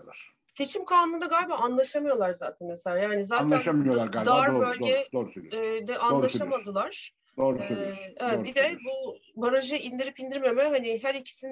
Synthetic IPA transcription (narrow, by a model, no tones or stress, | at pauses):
aɾ | se̞t͡ʃʰimkʰaːnɯnd̪aɡaːjʲbaanlˠaʃamɯjo̞lˠaɾzaːt̪ʰɛnmeselʲaːjaːnizaːnæanʃabilʲijolˠaɾɡad̪aɾbølʲɟɛd̪oɾusd̪ɛʔanllˠaʃamad̪ɯlˠaɾ̥ | d̪oːɾseevɛt̪bid̪ɛbubaɾaʒɯind̪iɾipind̪iɾme̞mɛɦaniɦæɾicʰi̥sin